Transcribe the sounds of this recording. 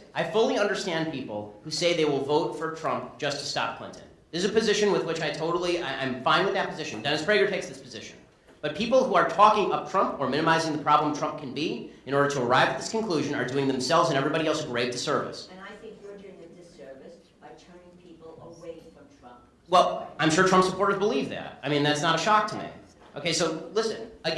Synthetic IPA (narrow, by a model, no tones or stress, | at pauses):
ʔaɪfʊlˠiʌ̃ndə˞stæ̃n̚pʰipl̩ˠhuseɪðeɪwɪlˠvoʊtfə˞tʰɹ̥ʌ̃mp̚d̥ʒ̥ʌstʰɨstɑ̰p̚kʰl̥ɪ̰̃ntɨ̰̃n | ðɪsɨzɨpɨzɪʃɨ̃nwɨðwɪt͡ʃaɪtʰoʊɾl̩ˠiã̰ɪ̃ɱfãɪ̃nwɨðɨt̚pʰɨzɪʃɨ̃n̩dɛñɨspʰɹ̥eɪɡə˞tʰeɪksðɪspʰɨzɪʃɨ̰̃n̩ | b̥ʌt̚pʰipl̩ˠhuə˞tʰɔkɪ̃ŋʌp̚tʰɹ̥ʌ̃mpə˞mɪ̃nɨmaɪzɪ̃ŋðɨpʰɹ̥ɑblə̃mtʰɹ̥ʌ̃mp̚kʰɨ̃n̩biɨ̃ñɔɹɾə˞ɾəː˞aɪvɨt̪̚ðɪskɨ̃n̩kʰl̥ʉʒɨ̃nə̰˞dʉɪ̃ŋðɨ̃msɛlˠvzɨ̃ñɛvɹibɑɾiɛlˠsɡɹeɪv̚ðʰɨsɜ˞vɨ̰sɨ̃naɪθɪ̃ŋkjəd͡ʒɨ̃ɨ̃ðɪsɜ˞vɨs | b̥aɪtʰɜ̃˞nɪ̃ŋpʰipl̩ˠəweɪfɹʌ̃mtʰɹ̥ʌ̃mp | wɛlˠãɪ̃mʃʊɹtʰɹʌ̃mpsəpʰɔɹɾə˞zbəlivðæ̰t̚aɪ̃mĩnðætsnəɾɨʃɑk̚tʰɨmḭ | oʊkeɪsoʊlɪsɨ̰̃nɨ